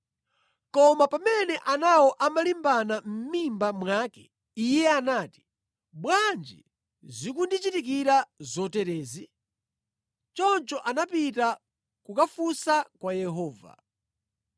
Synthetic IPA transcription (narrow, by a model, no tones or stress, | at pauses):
kɔmapamɛnɛʔanawɔʔamalimbanam̩mimbamwakɛ | ijɛanaːti̥ | ɓwand͡ʒḭ | zikundit͡ʃitik̬iɾazɔtɛɾɛːzi | t͡ʃɔnt͡ʃɔʔanapita | kukafusakwajɛɦɔːva̰